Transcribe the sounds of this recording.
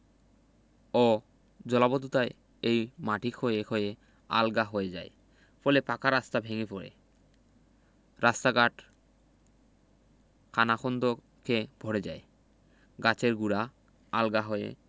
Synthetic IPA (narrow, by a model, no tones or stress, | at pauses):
ɔ | d͡ʑɔlabod̪ʱut̪ae | ejmaʈʰikʰhoekʰoje | a̰lɡaɦoed͡ʑae | fɔlepakaɾast̪abʱeŋepɔɾḛ | ɾast̪aɡaʈ | kʰanaxʰɔnd̪ʱo | keb̥ʱɔɽed͡ʑae | ɡat͡ɕeɾɡuɽa | alɡaɦoḛ